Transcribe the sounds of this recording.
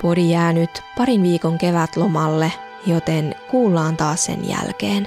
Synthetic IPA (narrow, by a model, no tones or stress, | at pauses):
poɾijæːnyt̪pɑɾinʋiːkoŋke̞ʋæt̪lomɑlːe | jo̞t̪enkuːlːɑːnt̪ɑːssḛnjæ̰lkeːn